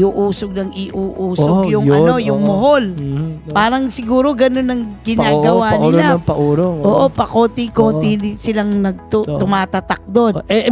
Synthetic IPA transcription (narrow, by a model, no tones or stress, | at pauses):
ʔuːʔuːsoɡ̚nɐŋɪʔuːʔuːsoɡjʊŋɐo̞jʊŋmoɦolpaːɾɐŋsɪɡuːɾo̞ɡɐno̞nɐŋɡɪnaːɡɐwaːnɪnɐpɐʔuːɾoʔoːʔo̞pɐko̞t̪ɪkoːt̪ɪd̪ɪsɪlaŋnɐɡ̚t̪ot̪ʊmaːt̪ɐt̪ɐk̚d̪o̞nɛ